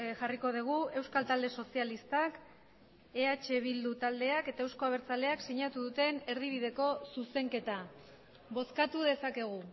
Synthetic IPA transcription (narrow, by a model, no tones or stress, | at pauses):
ʝariko̞ð̞uɣ̞ue̞wskalt̪ald̪e̞so̞sialist̪ak | e̞at͡ʃe̞β̞ild̪ut̪ald̪e̞ake̞t̪ae̞wsko̞aβ̞e̞ɾt͡sale̞aksiɲat̪uðut̪e̞ne̞ɾðiβ̞iðe̞ko̞suse̞ŋke̞t̪a | βo̞skat̪uð̞e̞sake̞ɣ̞u